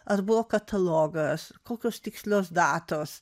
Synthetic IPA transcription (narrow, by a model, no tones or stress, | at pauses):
ɐɾbuɔkɐt̪ʰɐlɔɡəskɔlˠkɔst̪ikslɔsd̪at̪ɔs